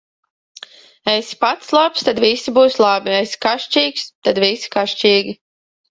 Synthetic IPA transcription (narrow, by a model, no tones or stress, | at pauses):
ɛjspat̪slˠapst̪ad̪visibuːslˠabiɛjsi̥kaʃt͡ʃiːkst̪ad̪visi̥kaʃt͡ʃiːɡʲi